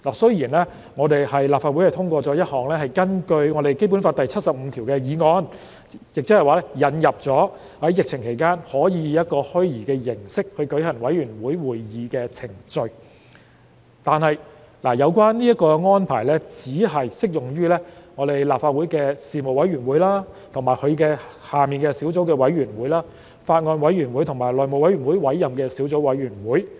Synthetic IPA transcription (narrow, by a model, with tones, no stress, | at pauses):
laː˨˩sɵ˥ɥjiː˨˩nlɛː˥ | ŋɔː˨˧t̪e˨jhɐ˨jlaː˨p̚faː˧t̚wu˨˥jhɐ˨jt̪ʰʊ˥ŋkʷɔː˧t͡sɔː˨˥jɐ˥t̚hɔː˨˩ŋlɛː˥hɐ˨jkɐ˥nkɵ˧ɥŋɔː˨˧ɾe˨jke˥jp̬u˨˥nfaː˧t̪̚ɐ˨jt͡sʰɐ˥t̚sɐ˨p̚m̩˨˧t̪ʰiː˨˩wkɛː˧jiː˨˧ŋɔː˨˧n | jɪ˨k̚t͡sɛ˥hɐ˨˩waː˨˩lɛː˥jɐ˨˩njɐ˨p̚t͡sɔː˨˥ | hɐ˨˥jɪ˨k̚t͡sʰɪ˨˩ŋkʰe˨˩jkaː˥nhɔː˨˥jiː˨˧jɐ˥t̚kɔː˧hɵ˥ɥjiː˨˩kɛː˧jɪ˨˩ŋsɪ˥k̚hɵ˧ɥkɵ˨˥ɥhɐ˨˩ŋwɐ˨˥jɥyː˨˩nwuː˨˥jwuː˨˩jjiː˨˧kɛː˧t͡sʰɪ˨˩ŋt͡sɵ˧ɥ | t̪aː˨˧nhɐ˨j | laː˨˩jɐ˨˧wkʷaː˥nniː˥jɐ˥t̚kɔː˧ŋɔː˥npʰaː˨˩jlɛː˥t͡siː˨˥ɦɐ˨jsɪ˥k̚jʊ˨˩ŋjyː˥lɛː˥ŋɔː˨˧t̪e˨jlaː˨p̚faː˧t̚wu˨˥jkɛː˧siː˨mo˨˩wɐ˨˥jɥyː˨˩nwuː˨˥jlaː˥ | t̪ʰʊ˨˩ŋmaː˨˩jhɵ˨˧ɥkɛː˧ | haː˨miː˨nkɛː˧siː˨˥wt͡so˨˧˥wkɛː˧wɐ˨˧˥jɥyː˨˩nwuː˨˥jlaː˥ | faː˧t̚ŋɔː˧nwɐ˨˥jyː˨˩nwu˨˥jt̪ʰʊ˨˩ŋmaː˨˩jlɔː˨jmo˨wjɥyː˨˩nwuː˨˥jwɐ˨˥jːɐ˨mkɛː˧siː˨˥wt͡so˨˥wɐ˨˥jɥyː˨˩nwuː˨˥j